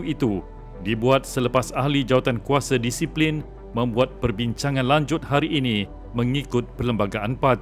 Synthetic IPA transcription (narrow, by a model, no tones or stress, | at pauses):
it̪u | dibuat̪̚sələpasahlid͡ʒawat̪ankuasadisiplin | mə̃mbuat̪̚pərbiɲt͡ʃaŋãnlaɲd͡ʒʊt̪̚haɾiʔːnĩ | mə̃ŋikʊt̪̚pərləmbaɡaʔanpat̪